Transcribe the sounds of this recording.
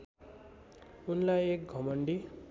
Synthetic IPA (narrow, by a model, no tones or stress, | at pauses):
unlajek̚ɡʱʌmʌɳɖi